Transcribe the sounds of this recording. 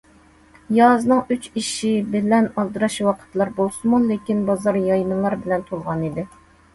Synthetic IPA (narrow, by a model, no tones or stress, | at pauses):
jɑznɨŋyt͡ʃiʃibɪlɛnɑlˠd̪ɨɾɑʃwɑqʰə̥t̪lˠɑɾbolˠsɨmulekʲinbɑzɑɾjɑjnɨlˠɑɾbɪlɛnt̪ʰolˠʁɑnid̪ɪ